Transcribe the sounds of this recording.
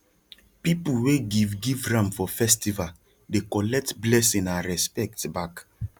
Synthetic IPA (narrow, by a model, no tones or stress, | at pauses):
pipuweɡivɡivɹãmfɔfɛstiva | dekɔlɛk̚tblɛsĩnaɹɛspɛk̚tbak